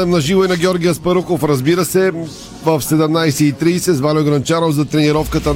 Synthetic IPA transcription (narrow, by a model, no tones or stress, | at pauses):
ɛmnɐʒivoinɐɡʲɔɾɡʲijəspɐɾuxofɾɐzbiɾəsɛ | vəfsɛd̪ɛmnajsɛit̪ɾiːsɛzvalʲoɡɾɐnt͡ʃaɾovzɐt̪ɾɛniɾɔfkət̪ə